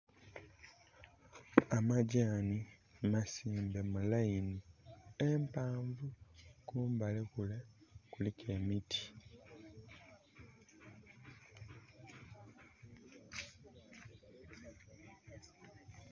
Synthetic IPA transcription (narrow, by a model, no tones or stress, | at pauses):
amaɟaːnimasiːmbe̞mulajiniempaːɱvukuːmbalekulekulikʰemitʰi̥